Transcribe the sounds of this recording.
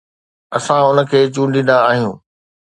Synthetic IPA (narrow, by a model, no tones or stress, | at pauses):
ɐsãʊnə̆kʰeːt͡ɕũːɳɗĩn̆d̪aaːɦijũː